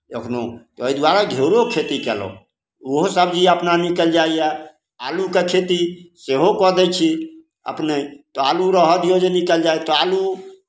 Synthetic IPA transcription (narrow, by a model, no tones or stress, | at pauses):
ekʰno̰t̪ɔəid̪waɾaɡʱeɾokʰet̪ikɛ̰lɔ̰ | oɦsəbd͡ʒiəpnanikəld͡ʒaiɛ | alukekʰet̪iseɦokɔɦd̪ɛt͡ʃʰi | ə̰pnet̪ɔaluɾəɦəd̪ijod͡ʒenikəld͡ʒajt̪ɔalu